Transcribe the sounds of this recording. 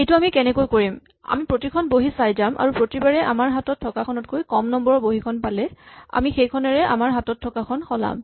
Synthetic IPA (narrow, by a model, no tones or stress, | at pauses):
ejtuamikɛnɛkojkoɹim | a̰mipɹotikʰɔnboɦisajzamʔa̰ɹupɹotibaɹɛʔa̰maɹɦatɔtʰːɔkakʰɔnɔtkojkɔmnɔmbɔɹɔboɦikʰɔnpalɛa̰mixejkʰɔnɛɹɛʔa̰maɹɦatɔtʰːɔkakʰɔnxʰɔla̰m